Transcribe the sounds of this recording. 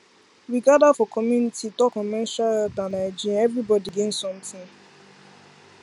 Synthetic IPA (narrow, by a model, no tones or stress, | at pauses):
ɹiɡadafɔkʰɔmjunitʰitɔkɔmɛʃaldãnaɪd͡ʒiaɛvɹibɔdiɡẽnsɔ̃mtɪ̃ŋ